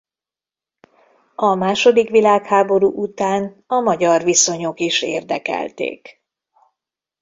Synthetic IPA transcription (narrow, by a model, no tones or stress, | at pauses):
ɒmaːʃo̞d̪ikʋilaːkhaːbo̞ɾuːʔut̪aːn | ɒmɒɟɒrʋiso̞ɲo̞kiʃḛːrd̪ɛkɛ̰lt̪ḛːk